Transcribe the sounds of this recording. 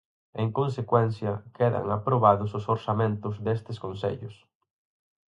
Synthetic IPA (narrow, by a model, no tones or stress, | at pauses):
eŋkons̬ekwɛn̟θjɐkeðɐ̰ŋapɾoβaðʊsʊsoɾsamẽnt̪ʊzðest̪ɪskonsḛʎʊs